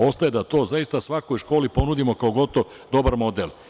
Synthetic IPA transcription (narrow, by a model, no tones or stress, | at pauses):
o̞st̪ajed̪at̪o̞ːzaist̪asʋakojʃko̞ːlipo̞nud̪imo̞kaoɡo̞t̪oʋ | d̪o̞baɾmo̞d̪el